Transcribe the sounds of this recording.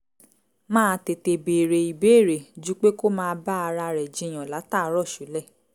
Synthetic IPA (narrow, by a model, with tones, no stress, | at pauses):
mãː˦˧te˨te˨be˨ɾe˨i˨be˨˦˨ɾe˨d͡ʒu˨˦k͡pe˦ko˦mãː˦˧˦ba˦a˧ɾa˧ɾɛ˨d͡ʒĩ˨˦j̃ã˨la˨˦ta˦˨˧ɾɔ˦˨ʃu˨˦lɛ˦˨